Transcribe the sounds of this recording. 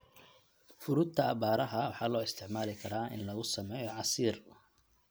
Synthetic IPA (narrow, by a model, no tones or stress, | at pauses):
fʊɾʊd̪t̪ʰɐɐbaːɾɐɦɐwɑħɑːlɔːɪst̪ʰɪʕmaːlɪkʰɐɾaːʔɪ̰nlɐɣʊsɐmɛːjɔʕɑsiːr